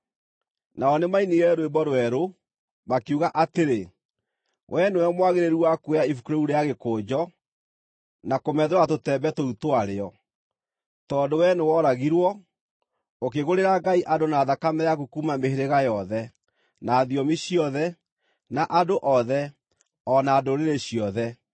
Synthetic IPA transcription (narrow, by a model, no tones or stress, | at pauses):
naɔnemainiɣɛɾoembɔɾwɛɾo | makeuɣaʔateɾe | wʔɛnewɛmwaɣeɾeɾuwakwejaifukɾouɾejaɣekoːd͡ʑɔ | nakomɛðeɾwatotɛbɛtoutoaɾeɔ | tɔːndowɛnewɔɾaɣiɾwɔ | okeɣoɾeɾaɡaiʔadonaːðakamɛjakokumameɦeɾeɣajɔðɛ | naːðiɔmiɕiɔðɛ | naʔadoʔɔðɛ | ɔnaːdoɾeɾeɕiɔðɛ